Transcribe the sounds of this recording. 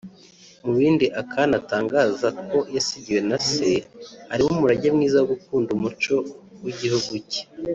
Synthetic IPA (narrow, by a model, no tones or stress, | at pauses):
muβiːndiʔakʰanataːŋɡaːzakʰo̞jasiɟiwe̞nase̞haɾimumuɾaɟemŋiːzawoɡukuːndumut͡ʃo̞wiɟihuɡuce̥